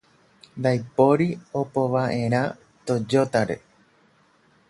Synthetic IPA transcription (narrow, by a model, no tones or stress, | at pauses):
nd̪ajpoɾio̞poʋaʔe̞ɾ̃ã | t̪o̞d͡ʒo̞t̪aɾe̞̰